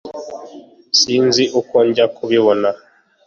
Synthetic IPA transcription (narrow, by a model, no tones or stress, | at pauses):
siːnziʔukoɲɟakuβiβona